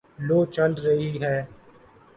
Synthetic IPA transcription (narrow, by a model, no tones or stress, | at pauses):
loːt͡ʃɐlɾɐɦiɦɛː